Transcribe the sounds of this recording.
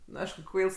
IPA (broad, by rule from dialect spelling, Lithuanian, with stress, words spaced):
nʊ ˈɐɪʃkʊ ˈkʋɐɪlˠs